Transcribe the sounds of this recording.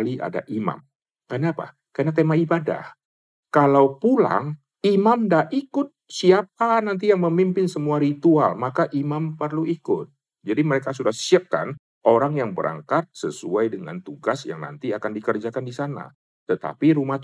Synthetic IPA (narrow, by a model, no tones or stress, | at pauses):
liʔa̰da̰ʔima̰m | kənapa̰ | kanat̪emaibada̰h | kalawpula̰ŋ | imamdaikʊt̪̚siap̚anant̪̬ijaŋməmimpɪnsəmuaɾit̪ua̰lmakaʔimampərluikʊt̪̚ | d͡ʒadiməɾekasudahsiap̚ka̰n | ʔoɾaŋjaŋbəɾʔa̰ŋkat̪̚səsuajdəŋa̰nt̪uɡasja̰ŋna̰nt̪iakandikərd͡ʒakandisana̰ | t̪ət̪a̰piɾumaht̪